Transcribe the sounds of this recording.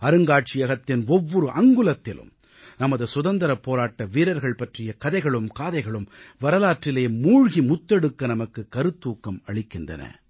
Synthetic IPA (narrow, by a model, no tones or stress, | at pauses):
ɐɾɯŋɡaːʈ̚t͡ʃɪjɐɣɐt̪ːɪnɔʋːɔɾɯʔɐŋɡɯlɐt̪ːɪlɯ̰m | nɐmɐðɯsʊðɐnd̪ɐɾɐpːoːɾaːʈːɐʋiːɾɐɾɣɐɭpɐʈrɪjɐkɐðɐɪɣɐɭɯmkaːðɐɪɣɐɭɯmʋɐɾɐlaːʈrɪleːmuːɻɣimʊt̪ːɛɽɯkːɐnɐmɐkːɯkɐɾɯt̪ːuːkːɐmɐɭɪkːɪndrɐ̰nɐ̰